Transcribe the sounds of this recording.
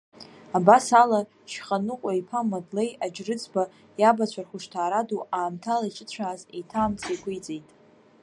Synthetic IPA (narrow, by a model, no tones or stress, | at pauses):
abasala | ʃχʼanɨqʷʼaipʰamadlejad͡ʒrɨt͡sʰʼba | jabat͡ɕʷʰarχʷʊʂtʰaːɾaduaːmtʰalait͡ʃʼɪt͡ɕʷʰaːzetʰaːmt͡sʰikʷʰʼʊjt͡sʼejtʼ